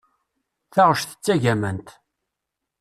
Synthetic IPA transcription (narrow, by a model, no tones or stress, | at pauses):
θæʁəʃθə̥t͡sːæʝæmənt̪